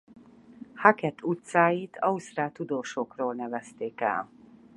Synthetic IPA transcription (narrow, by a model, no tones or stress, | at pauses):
hakɛt̪ʰːut̪saːjit̪ʰɒust̪raːt̪ud̪oːʃokroːlnɛvɛst̪eːkɛ̰l